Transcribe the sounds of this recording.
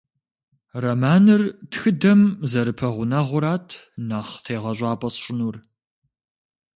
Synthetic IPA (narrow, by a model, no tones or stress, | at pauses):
rɐmaːnɨrtxɨdɐmzɐɾɨpʰɐʁʷʊnɐʁʷʊɾaːtʰ | nɐχtʰeːʁɐɕʷʼɑːpʼɐsɕʷʼɪnuːr